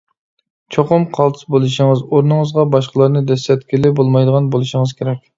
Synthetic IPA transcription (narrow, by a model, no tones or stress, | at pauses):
t͡ʃʰoqʊmqʰɑlˠt̪ʰɨ̥sbolˠɨʃəŋɨzoɾnɨŋəzʁɑbɑʃqəlˠɑɾnɨd̪ɛsɛt̪kʲʰɪlɪbolˠmɑjd̪əʁɑnbolˠɨʃɪŋəz̥kʲʰeɾɛkʲ